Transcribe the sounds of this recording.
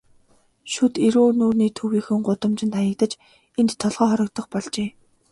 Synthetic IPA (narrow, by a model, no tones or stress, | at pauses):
ʃut̪eɾoːnuːrniːt̪ʰɵwiːxɘ̆ŋɢʊt̪ə̆mt͡ɕɪ̆nt̪ajə̆k̚t̪ə̆t͡ɕ | ent̪ʰːɔɮʁɔːχɔɾʲɞ̆k̚t̪ə̆χpɔɮt͡ɕeː